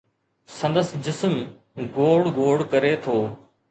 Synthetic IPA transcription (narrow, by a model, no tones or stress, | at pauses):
sə̃nd̪əsd͡ʑɪsm | ɡoːɽɡoːɽkəɾet̪ʰoː